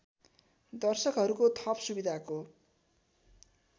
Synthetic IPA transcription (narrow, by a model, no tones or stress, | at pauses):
d̪ʌrsʌkɦʌɾukot̪ʰʌpsubid̪ʱako